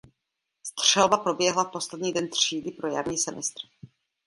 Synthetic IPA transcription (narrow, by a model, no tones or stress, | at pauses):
st̪r̝̥ɛlbapɾo̞bjɛɦlapo̞slɛdɲiːdɛnt̪r̝̥iːdɪpɾo̞ja̰ɾɲiːsɛmɛst̪r